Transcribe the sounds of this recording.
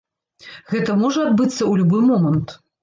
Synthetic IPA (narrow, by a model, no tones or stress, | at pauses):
ɣɛt̪ɐmɔʐɐad̪̚bɨt̪sːɐulʲubɨmɔmɐnt̪